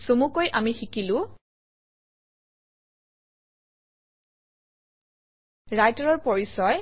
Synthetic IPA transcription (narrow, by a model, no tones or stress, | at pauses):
somukojʔamixikilʊ̃ | ɹajtaɹɔɹpɔɹisɔj